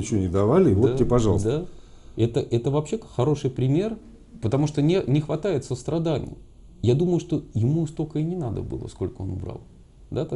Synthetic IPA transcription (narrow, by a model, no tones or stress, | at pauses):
t͡ɕɪvonʲɪd̪ɐvalʲɪvot̪ɪpɐʐɑlˠsd̪a | ɛt̪əʔɛt̪əvɐpɕːe̞xɐɾo̞ʂɨjpɾʲɪmʲe̞r | pət̪ɐmuʂt̪o̞nʲenʲɪxvɐt̪ajɪt̪səst̪ɾɐd̪anʲɪ̰jə | jad̪uməjʊʂt̪o̞jɪmust̪okəɪnʲɪnad̪ə̰bɨ̰lˠə̰sko̞lʲkəo̞nʊbɾa̰lˠ | d̪aka